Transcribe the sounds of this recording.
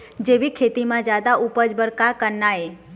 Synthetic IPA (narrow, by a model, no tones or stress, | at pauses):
d͡ʒeʋikʰet̪imãd͡ʒad̪aupəd͡ʒbəɾkakənːae